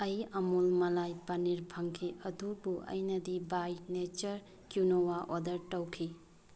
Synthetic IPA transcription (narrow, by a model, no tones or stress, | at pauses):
ɐjɐmulmɐlajpɐniɾpʰɐŋkʰiɐdubuʔɐ̰jnɐdibajnet͡ʃɐɾ | kjunowaʔodɐɾtɐwkʰi